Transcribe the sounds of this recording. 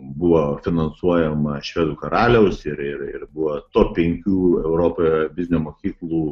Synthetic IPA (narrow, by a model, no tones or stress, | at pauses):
buʋoːfʲɪnɐnsuɔjɛmɐʃʲʋʲeːd̪uːkɐɾɑːlʲɛʊsɪɾɪɾɪ̰ɾbʊʋoːt̪oːpʲɛŋʲkʲuːɛʊɾoːpojbʲɪzʲnʲumoːkʲiːklˠuː